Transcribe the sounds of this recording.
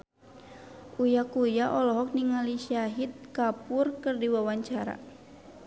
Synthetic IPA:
ujakujaʔɔlɔɦɔk̚niŋaliʃiaɦit̪̚kapurkɨrdiwawaɲt͡ʃaɾa̰

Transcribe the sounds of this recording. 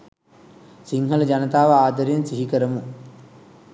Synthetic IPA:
siŋɦɐlɐd͡ʒɐnɐt̪aːʋɐaːd̪ɐɾijɐnsiɦikəɾɐmu

